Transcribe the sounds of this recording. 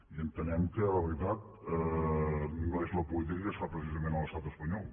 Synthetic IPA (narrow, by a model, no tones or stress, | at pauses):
iənt̪ənɛmkələβəɾit̪at̪̚ | ɛ | nõezlɐpulit̪̬ɾikəsɾapɾəs̬izɐmẽnɐlˠɐst̪at̪əspɐɲɔlˠ